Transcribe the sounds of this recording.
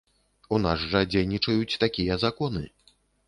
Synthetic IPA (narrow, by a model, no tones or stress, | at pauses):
unasʐɐd͡zʲejnʲit͡ʂɐjut͡sʲt̪akʲijɛzakɔnɨ̰